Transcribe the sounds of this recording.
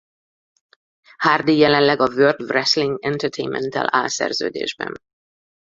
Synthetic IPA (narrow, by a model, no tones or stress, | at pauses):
haːrd̪ijɛlɛnlɛɡɒvøːrd̪vrɛsliŋɡɛnt̪ɛɾt̪ʰejnmɛ̰nt̪ɛ̰la̰ːlsɛ̰rzø̰ːd̪ḛːʒbɛ̰n